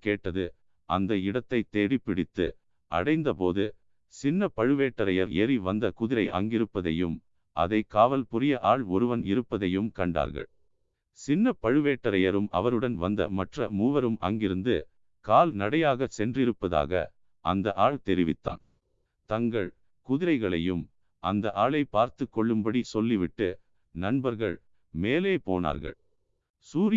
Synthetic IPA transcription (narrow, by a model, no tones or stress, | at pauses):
keːʈːɐðɯ | ʔɐ̰nd̪ɐɪɽɐt̪ːɐɪt̪ːeːɽipːɪɽɪt̪ːɯ̰ | ʔɐ̰ɽɐɪnd̪ɐpoːðɯ | sɪnːɐpɐɻɯʋeːʈːɐɾɐjɐɾɛ̰ɾiʋɐnd̪ɐkʊðɪɾɐɪʔɐ̰ŋɡɪɾɯpːɐðɐ̰jɯm | ʔɐ̰ðɐɪkaːʋɐlpʊɾɪjɐʔaːɭɔɾɯʋɐnɪɾɯpːɐðɐjɯmkɐɳɖa̰ːɾɣɐ̰ɭ | sɪnːɐpɐɻɯʋeːʈːɐɾɐjɐɾɯmɐ̰ʋɐɾɯɽɐnʋɐnd̪ɐ̰mɐʈrɐmuːʋɐɾɯmʔɐ̰ŋɡɪɾɯnd̪ɯ | kaːlnɐɽɐjaːɣɐsɛndrɪɾɯpːɐða̰ːɣɐ̰ | ʔɐnd̪ɐʔaːɭt̪ɛɾɪʋɪ̰t̪ːa̰ːn | t̪ɐŋɡɐɭ | kʊðɪɾɐɪɣɐɭɐ̰jɯm | ʔɐnd̪ɐʔaːɭɐɪpaːɾt̪ɯkːɔɭːɯmbɐɽisɔlːiʋɪʈːɯ | nɐɳbɐɾɣɐɭ | meːleːpo̰ːna̰ːɾɣɐ̰ɭ | suːɾɪ